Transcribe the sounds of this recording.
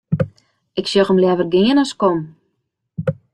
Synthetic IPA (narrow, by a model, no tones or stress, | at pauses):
ɪksjoxəmljɛvərɡɪənaskɔm